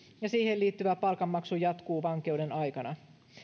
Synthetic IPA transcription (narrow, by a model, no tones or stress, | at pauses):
jɑsiːhe̞liːt̪ːyʋæpɑlkɑmːɑksujɑt̪kuːʋɑŋke̞uwde̞nɑjkɑnɑ